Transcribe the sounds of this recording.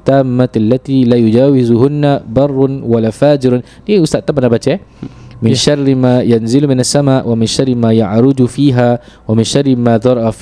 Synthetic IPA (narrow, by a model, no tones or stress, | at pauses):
t̪ːaːmːaalːat̪iːlaːjʊd͡ʒaːwɪzʊhʊnːabɑrˤːʊnwalaːfaːd͡ʒɪɾ | niʊst̪aʔt̪abnabat̪emɪnʃɑrːmaːjanzɪlmɪnasːamaːʔwamɪnʃɑrˤːɪmaːjaʕɾˤʊd̪fiːɦaː | wamɪnʃɑrˤːɪmaːðɑɾˤɑʔɑf